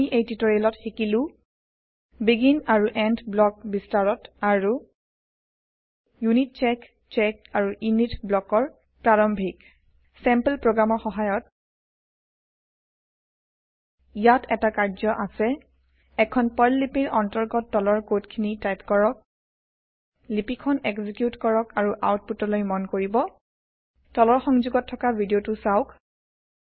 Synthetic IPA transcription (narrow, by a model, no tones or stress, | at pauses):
iʔejtitoɹiɛlɔtxikilʊ̃ | biɡinaɹuʔɛndblɔk̚bistaɹɔtaɹu | junit̚t͡ʃɛk | t͡ʃɛk̚aɹuʔjunitblɔkɔɹ | pɹaɹɔmbʱik | sɛmpəlpɹoɡɹamɔɹxɔɦajɔt̚ | ijatʰɛtakaɹzɔʔasɛ | ɛkʰɔnpɔjlːipiɹʔɔntɔɹɡɔtːɔlɔɹkotkʰinitajtkɔɹɔk̚ | lipikʰɔnɛkzikjutkɔɹɔkaɹuʔawt̚putɔlojmɔnkoɹibɔ | tɔlɔɹxɔŋzuɡɔtʰːɔkabʱidiotusaʊk